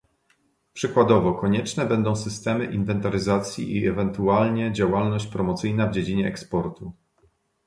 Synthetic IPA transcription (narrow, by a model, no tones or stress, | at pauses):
pʂɘkwad̪ɔvɔkɔɲɛt͡ʂnɛbɛnd̪ɔ̃w̃sɘst̪ɛmɘʔinvɛnt̪aɾɘzat̪sʲjḭʔiɛvɛnt̪ualɲɛd͡ʑawalnɔɕt͡ɕpɾɔmɔt̪sɘjnavd͡ʑed͡ʑiɲɛɛkspɔɾt̪u